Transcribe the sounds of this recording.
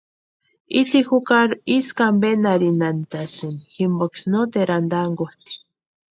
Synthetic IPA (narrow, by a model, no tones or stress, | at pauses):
it͡sixukaɾiskambenaɾinant̪asiniximboksnot̪eɾand̪aŋɡoht̪i̥